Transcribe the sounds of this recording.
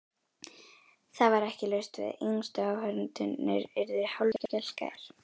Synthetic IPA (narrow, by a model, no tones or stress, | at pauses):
θaðvaɾɛhcɪlœɥst̪vɪ̰ðenst̪ʏaːwhœɾnt̪ʏnːɪ̰ɾɪɾðɪ̥hawlcɛl̥ka̰ɪ̰ɾ̥